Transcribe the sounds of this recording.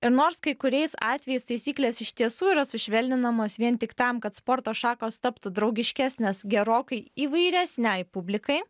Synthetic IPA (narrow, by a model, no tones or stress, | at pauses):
ɪɾnoːɾskɐɪkʊɾʲɛɪsɑ̰ːt̪ʲʋʲɛjɛɪst̪ɐɪsʲiːklʲeːsɪʃʲt̪ʲiɛsuːiːɾɐsʊʃʲʋʲɛlʲnʲɪnɐmoːsʋʲiɛnt̪ʲɪkt̪ɐmkɐt̪spoɾt̪oːʃɑːkoːst̪ɐpt̪ʊd̪ɾɒʊɡʲɪʃʲkʲæːsʲnʲesɡʲɛɾoːkɐɪiːʋɐɪɾʲɛsʲnʲɛɪpʊbʲlʲɪkɐɪ